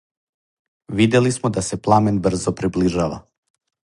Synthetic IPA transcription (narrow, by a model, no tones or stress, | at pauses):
vid̪ɛlismɛd̪asɛplˠamɛnbr̩zɔpɾibliʒava̰